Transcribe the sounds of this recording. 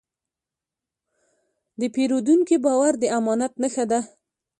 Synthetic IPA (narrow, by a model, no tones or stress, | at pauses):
d̪əpeɾod̪uŋkibɑwaɾd̪əamɑnat̪nəxad̪a